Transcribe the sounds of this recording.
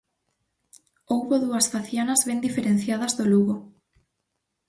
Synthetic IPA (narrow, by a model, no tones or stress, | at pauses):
owβoðuɐsfaθjanɐzβend̪ifeɾẽn̟θjað̞ɐzðoluɣo